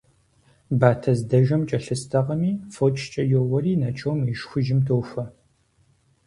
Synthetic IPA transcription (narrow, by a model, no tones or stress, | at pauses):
baːtʰɐzdɐʒɐmt͡ʃʼɐɬɨstʰɐʁɐmiːfot͡ʃʼʰt͡ʃʼɐjowɐriːnɐt͡ʃʼowmɪʃxʷʊʒɪmtʰowfʷɐ